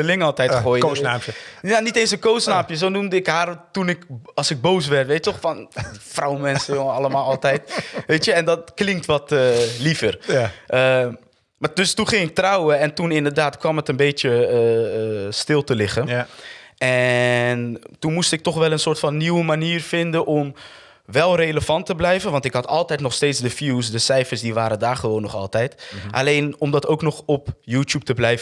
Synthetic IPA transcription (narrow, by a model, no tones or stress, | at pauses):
əlɪŋɑlˠtɛjχoːjaːəjanitejns̬ənkowsnaːpjəsownumdəɪkɦaːrtunɪkɑlˠsɪɡ̚bows̬ʋɛɹtʋejttɔχfɑnfrawəmɛnsəjoəɑləmaːlˠɑlˠtɛjtʋejtjəɛndɔtklɪŋk̚tʋɔtəlifərʔə | maːdɵstunχɪŋɪk̚trawəɛntunɪndəɹdaːtkʋɑmətənbejtjə | stɪlˠtəlɪχən | ɛntunmustɪk̚tɔχʋɛlˠənsʊːɹtfɑnːiwəmaniːrfɪndənʔɔm | ʋɛlˠrejləfɑntəblɛjvənʋɑntɪkɦɑtɑlˠtɛjtnɔχstejtsdəfjuwsdəsɛjfəɹsdiʋaːɾədaːɹχəʋoːnːɔχɑ̰lˠtɛjtʔa̰lejnɔmdɑtowknɔχɔpjuːtup̚təblɛjv